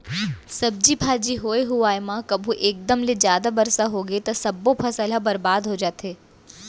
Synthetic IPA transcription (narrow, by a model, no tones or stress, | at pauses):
sɐb̚d͡ʒibʱaːd͡ʒiɦoːeɦuaːemãkɐbʱũʔeːk̚d̪əmled͡ʒjaːd̪abɐɾsaɦoːɡəit̪ɐsɐbːopʰɐsɐlabɐɾbaːd̪ɦoːd͡ʒaːt̪eː